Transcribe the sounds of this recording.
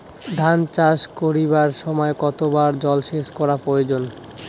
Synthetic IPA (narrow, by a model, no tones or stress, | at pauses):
d̪ʱant͡ɕaʃkoɾiβaɾʃɔmɔekɔt̪obaɾd͡ʑɔlʃeʃkɔɾapɾojod͡ʑon